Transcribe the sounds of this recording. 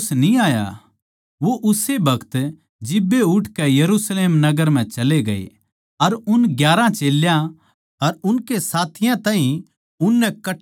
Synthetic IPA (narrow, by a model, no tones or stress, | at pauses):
snĩaːja̰ | ʋoʔʊsebʱɐkʰt̪ | d͡ʒɪbːeʊʈʰkɛjɐɾusleːmnɐɡəɾm̤ɛ̃t͡ʃɐleɡɐḛ | ɐɾʊnɡjaːɾãt͡ʃeːljã | ɐɾʊnkesaːt̪ʰɪjãt̪ãːɦĩ | ʊnːɛkɐ